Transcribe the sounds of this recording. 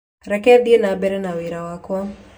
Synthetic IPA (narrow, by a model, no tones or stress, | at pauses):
ɾɛkɛd̪ienabɛɾɛnawiɾawakwɔ